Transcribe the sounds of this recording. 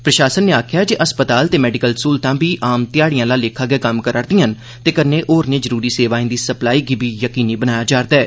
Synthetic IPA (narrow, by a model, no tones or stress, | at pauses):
pɾəʃaːsənːeːaːkʰjaːd͡ʒeːʔəspət̪aːlt̪eːmɛːɖɪkəlskuːlt̪ãːbiːʔaːmt̪ɪjaːɽijãːlaːleːkʰaːɡɛːkəmkəɾəɾd̪ĩə̃n | t̪eːkəneːʔoːɾneːzəɾuːɾiːseːʋaːĩːd̪iːsəplaːiːɡiːbʱiːjəkiːniːbənaːjaːd͡ʒaːɾd̪aɛː